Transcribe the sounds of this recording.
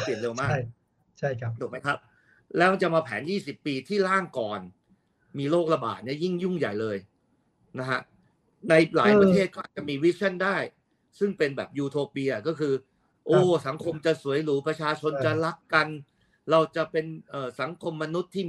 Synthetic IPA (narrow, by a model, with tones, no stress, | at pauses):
pi˨˩ənde˧wmaː˥˩k | t͡ɕʰa˥˩˦d̪uː˨˩kma˦˥jkʰa˦˥p̚ | lɛː˦˥ma˧nt͡ɕa˨˩maː˧pʰɛ̰ː˩˦njiː˥˩si˨˩pːiː˧t̪ʰiː˥˩laː˥˩ŋkɔː˨˩n | miː˧loː˥˩k̚la˧ba̰ː˨˩t̪̚ni˥˩ji˥˩ŋju˥˩ŋja̰˨˩jlɤː˧j | na˦˥kʰa̰˦˥ʔ | na˧jlaː˩˦jpɾa˧t̪ʰeː˥˩t̪̚kʰɔ˥˨˩t͡ɕa˨˩miː˧wi˦˥sʰa˥˩ndaː˥˩j | sɯ˥˩ŋpe˧nbɛ̰ː˨˩p̚juː˧t̪ʰoː˧piː˧a˨˩kɔː˥˩kʰɯː˧ | ʔoː˦˧˩sa˩˦ŋkʰo˧mt͡ɕa˨˩su˩˦əjluː˦pɾa˧t͡ɕʰaː˧t͡ɕʰo˧nt͡ɕa˨˩la˦˥kːa˧n | ɾa˧wt͡ɕa˨˩pe˧nʔɤː˨˩sa˩˦ŋkʰo˧mːa˧nu˦˥t̪ʰːiː˥˩